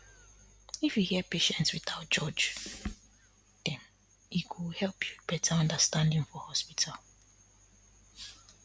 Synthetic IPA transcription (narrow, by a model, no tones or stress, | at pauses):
ifjuhiɛpeʃɛ̃ntswiθaʊt̚d͡ʒɔd͡ʒ | d̥ɛ̃n | ikʰuhɛlpʰjub̥ɛtʰaɔ̃ndəstãndĩŋfɔhɔspitʰal